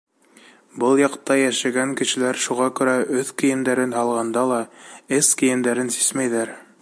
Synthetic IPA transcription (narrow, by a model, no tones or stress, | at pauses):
bɤlˠjɑqt̪ɑjæʃæɡæŋkɘ̆ʃɘ̆læɾʃuʁɑkʉ̆ɾæʔɵθkɘ̆jɘ̆nd̪æɾɘnɦɑlˠʁɑnd̪ɑlˠɑɘskĭjɘ̆nd̪æɾɘnsi̥smæjðæɾ